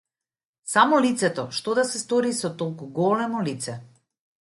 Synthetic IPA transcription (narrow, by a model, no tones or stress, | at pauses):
samɔlit̪sɛt̪ɔʃt̪ɔd̪asɛst̪ɔɾisɔt̪ɔlˠkuɡɔlɛmɔlit̪sɛ